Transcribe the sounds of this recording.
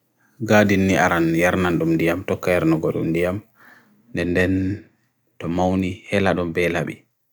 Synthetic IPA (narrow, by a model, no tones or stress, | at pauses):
ɡaːdinːiʔaɾanjaɾnanɗumdijamtɔkːajaɾnaɡɔɗṵmdijam | ndɛndɛn | tɔmawnihɛlaɗɔmbɛlaɓḭ